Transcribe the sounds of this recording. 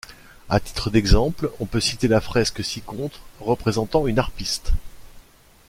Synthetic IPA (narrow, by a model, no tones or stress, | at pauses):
at̪i̥t̪χəd̪ɛɡzɑ̃plɔ̃pøsit̪elafχɛskəsikɔ̃t̪χʁəpχezɑ̃t̪ɑ̃ynaʁpist̪